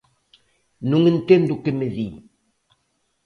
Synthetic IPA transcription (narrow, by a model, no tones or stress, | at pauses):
nuŋəntendukəməðḭ